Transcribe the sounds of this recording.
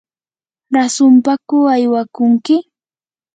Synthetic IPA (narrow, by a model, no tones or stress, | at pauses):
ɾasʊmpakʊajwakʊŋkɪ